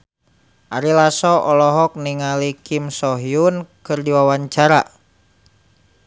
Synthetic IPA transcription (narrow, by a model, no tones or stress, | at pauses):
ʔaɾilasɔʔɔlɔɦɔk̚niŋalikʰimsɔɦiunkɨrdiwawaɲt͡ʃaɾa̰